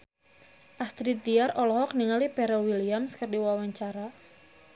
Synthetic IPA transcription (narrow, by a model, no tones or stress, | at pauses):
ʔast̪ɾit̪iarɔlɔhɔk̚niŋalipɛɾɔwiliamskərdiwawaɲt͡ʃaɾa